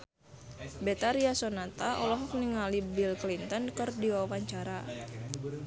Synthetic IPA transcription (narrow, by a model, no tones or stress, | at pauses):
bɛt̪aɾiasɔnat̪aʔɔlɔɦɔk̚niŋalibilklint̪ɔnkɨrdiwawaɲt͡ʃaɾa